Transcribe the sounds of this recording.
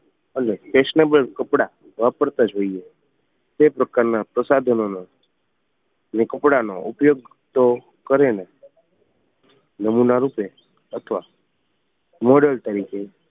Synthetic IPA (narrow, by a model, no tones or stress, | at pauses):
ənefeʃnebəlkəpɽa | ʋapəɾt̪ad͡ʒoie | t̪epɾəkaɾnapɾəsad̪ʱənono | nekəpɽanoʔupjoɡ | t̪o | kəɾene | nəmunaɾupe | ət̪ʰəʋa | moɖəlt̪əɾikʰe